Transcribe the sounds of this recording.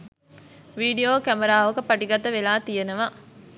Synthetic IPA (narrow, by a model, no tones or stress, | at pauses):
ʋiːɖijoːkæmɐɾaːʋɐkəpɐʈiɡɐt̪əʋelaːt̪ijenɐʋa